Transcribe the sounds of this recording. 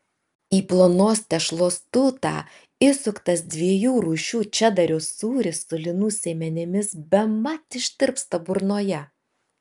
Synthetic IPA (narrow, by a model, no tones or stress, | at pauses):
iːplˠoːnoːst̪ʲɛʃlˠoːst̪ʊt̪ɑ̰ː | ɪsʊkt̪ɐsd̪ʲʋʲiɛjuːɾuːʃʲuːt͡ʃʲɛd̪ɐɾʲoːsuːɾʲɪsːʊlʲɪnuːsʲeːmʲɛnʲɪmʲɪsbʲɛmɐt̪ɪʃʲt̪ʲɪɾpst̪ɐbʊɾnoːjɛ